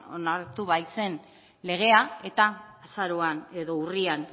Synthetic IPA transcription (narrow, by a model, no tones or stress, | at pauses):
o̞naɾt̪uβajse̞n | le̞ɣ̞e̞ae̞t̪aːsaɾoane̞ðo̞urian